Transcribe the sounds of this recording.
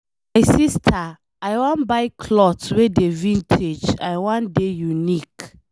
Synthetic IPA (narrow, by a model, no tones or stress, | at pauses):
maɪsistʰa | aɪwãnbaɪkʰlɔtwedevĩntʰed͡ʒaɪwãndejunik